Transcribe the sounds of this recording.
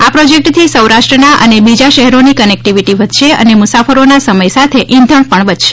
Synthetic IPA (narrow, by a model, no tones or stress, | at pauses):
apɾɔd͡ʒek̚ʈt̪ʰisəwɾaʃʈɾənaʔə̰nebid͡ʒaʃɛɦɛɾonikənek̚ʈiʋiʈiʋət̪ʃeə̰nemʊsafəɾonasəməjsat̪ʰeʔɪ̃nd̪ʱəɳ̃pəɳbət̪ʃe̥